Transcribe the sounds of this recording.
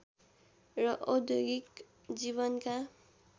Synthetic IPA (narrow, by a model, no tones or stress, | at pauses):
rʌʔod̪joɡik | d͡ziβʌnka